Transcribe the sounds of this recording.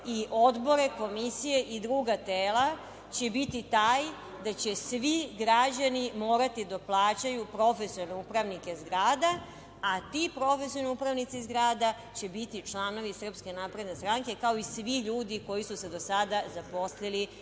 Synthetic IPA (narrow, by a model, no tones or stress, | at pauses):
iʔo̞d̪bo̞ɾe̞ko̞misije̞ʔid̪ɾuːɡat̪eːla | t͡ɕe̞bit̪it̪aːj | d̪at͡ɕe̞sʋiɡɾad͡ʑanimo̞ːɾat̪id̪aplˠaːt͡ɕajupɾo̞fesiolneupɾaʋnike̞zɡɾaːd̪aː | t̪ipɾo̞fesiolneupɾaʋnit̪sizɡɾaːd̪a | t͡ɕe̞bit̪it͡ʃlˠano̞ʋisr̩pske̞naːpɾe̞d̪nest̪ɾaŋke̞kao̞isʋiʎuːd̪iko̞jisuse̞d̪o̞sad̪azapo̞slili